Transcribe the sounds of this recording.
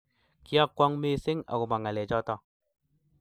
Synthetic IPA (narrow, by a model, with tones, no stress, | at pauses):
ki˦a˦kːwɔ˦ŋme˦sɪ˦ŋa̰˨ku˨ma˨ŋa˨lɛ˨t͡ʃɔ˦tɔ˦